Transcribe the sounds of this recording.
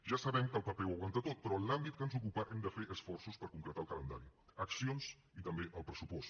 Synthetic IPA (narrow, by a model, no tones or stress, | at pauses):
ʒasəβɛmkəlˠpəpɛwəwant̪ət̪ot̪̚pəɾɔlambit̪̚kənzukupaʔɛmd̪əfeʔəsfɔrsuspəɾkuŋkɾət̪alˠkələnd̪a̰ɾiəksions | it̪əmbeʔəlˠpɾəsupɔs